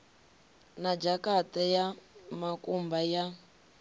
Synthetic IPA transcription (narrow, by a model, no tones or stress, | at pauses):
nad͡ʒakatajamakʼumbaja